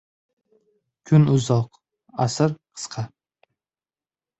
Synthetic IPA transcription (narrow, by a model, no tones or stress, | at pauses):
kʲʰʊnʊzɒq | asɨɾqʰə̥sqʰɑ